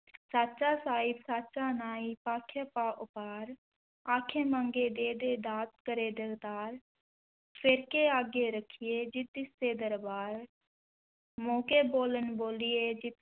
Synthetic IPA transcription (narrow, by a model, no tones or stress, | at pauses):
saːt͡ʃaːsaːɪbsaːt͡ʃaːnaːiːpaːkʰjapaːʔʊpaːɾ | aːkʰeːmãːŋɡeːd̪eːd̪eːd̪aːt̪kəɾeːd̪əɡt̪aːɾ | pʰɪɾkeːaːɡeːɾəkʰɪjeːd͡ʒɪt̪̚ːɪst̪eːd̪əɾbaːɾ | mõːkeːboːlənboːlɪjeːd͡ʒɪt̪